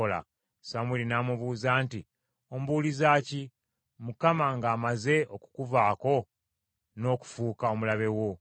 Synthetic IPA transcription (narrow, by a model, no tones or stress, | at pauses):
ola̰ | samwilinaːmuβuːzaːnti | o̞m̩uβuːlizaːci | mukamaŋɡaːmaze̞ʔo̞ku̥kuvaːko̞ | no̞ːku̥fuːkao̞mulaβe̞wo̞